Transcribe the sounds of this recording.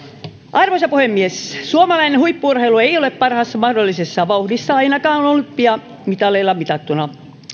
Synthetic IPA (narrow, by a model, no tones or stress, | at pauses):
ʔɑrʋosɑpuhemːiessuomɑlɑinehuipːuurhelueioleppɑrhɑsːɑmɑhdolːisesːɑʋɑuhdisːɑɑinɑkɑːonolːuppiɑ | mit̪ɑleilːɑmit̪ɑt̪ːunɑ